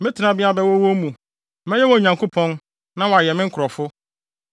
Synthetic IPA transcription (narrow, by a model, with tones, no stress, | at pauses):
mɪ̃˦tʰɪ˨nã˨bɪ˦a˦bɛ˦wɔ˦wo˦mũ˨˦ | mɛ̃˦jɛ˦wɔ˦˨ɲã˨ŋko˦pʰɔ̃˦n | nã˦wɔ˨a˨jɛ˨mɪ̃˦ŋ̩˦kʰʊ˨ɾɔ˨fʊ˦